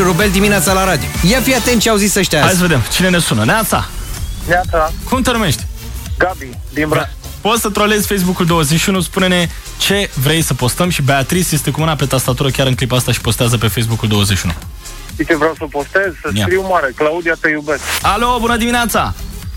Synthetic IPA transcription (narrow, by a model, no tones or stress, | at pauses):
ɾubeld̪imineat̪salaɾad̪ijojafijat̪ent̪t͡ʃeawzisəʃt̪ʲahajs̬əve̞d̪emt͡ʃine̞ne̞sunəneat̪sa̰neat̪sakumt̪enume̞ʃt̪ʲ | ɡabi | d̪ima | pot̪sət̪ɾole̞zʲfe̞js̬bukuld̪o̞wəzeʃiunuspune̞ne̞ | t͡ʃe̞vɾe̞jsəpo̞st̪əmʃibe̞at̪ɾisjest̪e̞kumɨnape̞t̪ast̪at̪uɾəkʲaɾɨŋklipast̪aʃi̥po̞st̪eazəp̬e̞fejs̬bukuld̪o̞wəzeʃiunu | it͡ʃ̪evɾawsəpost̪ezsəkɾiwmaɾeklaud̪ijat̪ejubeskalo̞bunəd̪iminat̪sa